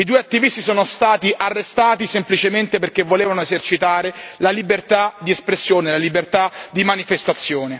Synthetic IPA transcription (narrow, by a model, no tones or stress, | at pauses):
id̪uːeat̪ːivist̪isɔːnost̪aːt̪iʔarːest̪aːt̪isemplit͡ʃement̪eperk̟evːoleːvanoezert͡ʃit̪aːɾelalibert̪ad̪iespɾesːjoːnelalibert̪ad̪imanifest̪at̪sːjoːne